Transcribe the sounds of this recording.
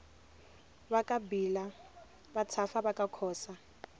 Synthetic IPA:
βakʼabiːla | bat͡sʰafabakʼakʰɔːsa

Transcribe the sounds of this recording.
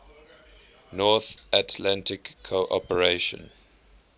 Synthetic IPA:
nɔˑθatʰlãntɪkʰːoʔɔpəɹeʃə̰̃n

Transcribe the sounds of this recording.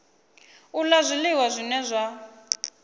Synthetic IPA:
ulazʷiliwazʷinɛzʷa

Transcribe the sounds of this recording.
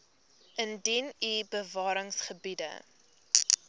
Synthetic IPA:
ʔəndɛnibəvɑːɾəŋsχəbidə̰

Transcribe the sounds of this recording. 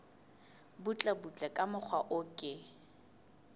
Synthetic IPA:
but͡ɬʼabut͡ɬʼakʼamʊk͡xʰwaʔʊkʼɪ

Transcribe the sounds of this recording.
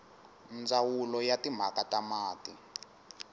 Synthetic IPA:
nd͡zawulɔjatim̤akatamaːti

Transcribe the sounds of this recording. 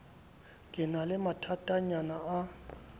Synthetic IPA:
ɡ̥ʱɛnalɛmatʰatʼaɲanaː

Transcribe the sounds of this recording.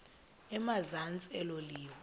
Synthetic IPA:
ɛmazant͡sʼɛloliːwɛ

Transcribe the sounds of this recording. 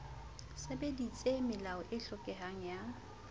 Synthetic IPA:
sebedit͡sʼemɪlaɔʔɪɬʊkʼɛɦaŋ̩ja

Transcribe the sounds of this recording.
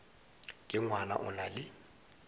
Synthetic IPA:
kʼɪŋwana̰ʔʊ̰nalɪ

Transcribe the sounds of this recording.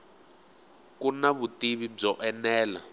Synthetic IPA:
kunaβutiβib͡ʐɔʔɛnɛːla

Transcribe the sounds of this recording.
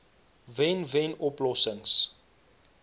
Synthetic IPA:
vɛnvenɔplɔsəŋs

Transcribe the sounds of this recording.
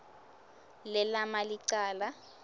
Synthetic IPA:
lɛlamaliǀaːla

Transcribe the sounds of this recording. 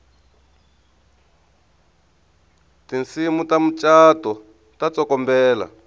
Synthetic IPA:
tinsimutamut͡ʃatɔ | tat͡sɔkɔmbɛːla̰

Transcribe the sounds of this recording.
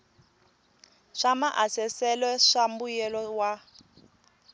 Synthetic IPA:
ʂamaʔasɛsɛlɛʂambujɛlɔwa

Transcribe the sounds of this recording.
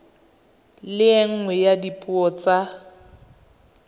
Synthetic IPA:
lɪeŋ̩ŋwɛjadipʼuɔt͡sʼa

